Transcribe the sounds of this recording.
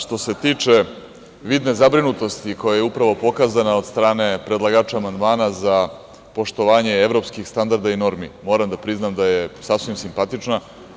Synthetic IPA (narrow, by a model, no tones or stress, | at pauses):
ʃt̪o̞se̞t̪iːt͡ʂe̞ | ʋid̪nezabɾinut̪o̞st̪iko̞jajeupɾaʋo̞po̞kaːzanao̞d̪st̪ɾaːne̞pɾe̞d̪lˠaɡaːt͡ʃaːmand̪maːnaza | po̞ʃt̪o̞ʋaːɲe̞eʋɾo̞pskixst̪and̪aɾd̪aino̞ɾmḭmo̞ːɾamd̪apɾiznamd̪ajesasʋimsimpat̪it͡ʂna